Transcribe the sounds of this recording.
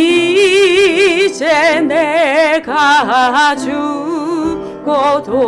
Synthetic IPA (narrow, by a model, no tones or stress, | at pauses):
i | t͡ʃʰed̪ekʰaɦaɦat͡ʃʰu | kot̪ʰo